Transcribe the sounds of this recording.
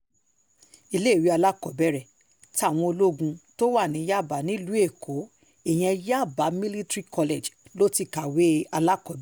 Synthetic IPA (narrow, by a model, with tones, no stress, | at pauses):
i˧le˦˨wi˨˦a˧la˦kɔ˨bɛ˦ɾɛ˦˨ | ti˦a˦˨w̃ɔ̃˧o˧lo˦ɡũ˧to˦wa˦˨nĩ˨˦ja˦˨ba˨˦nĩ˨˦lu˨˦e˦˨kʰo˨˦ | e˦˨j̃ɛ̃˧ja˦˨ba˨˦mĩ˦li˦tɾi˦kɔ˧le˨d͡ʒlo˦ti˧ka˨we˨˦a˧la˦kɔ˨bɛ˦